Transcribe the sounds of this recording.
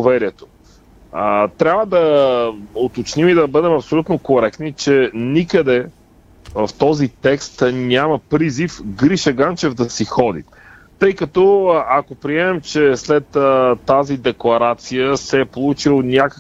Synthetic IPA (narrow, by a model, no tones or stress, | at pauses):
vɛɾiɛt̪o̥ | ət̪ɾʲabvəd̪ɐ | ot̪ot͡ʃnimid̪ɐbəd̪ɛmɐpsolʲut̪nokoɾɛkt̪nit͡ʃɛnikəd̪ɛ | vɐft̪ɔzit̪ɛkst̪nʲamɐpɾizifɡɾiʃɐɡant͡ʃɛvd̪ɐsixɔd̪ḭ | t̪ɤjkɐt̪ɔakopɾiɛmɛmt͡ʃɛslɛt̪əːazid̪ɛklˠɐɾat̪sijəsɛːpolˠut͡ʃilˠnʲakə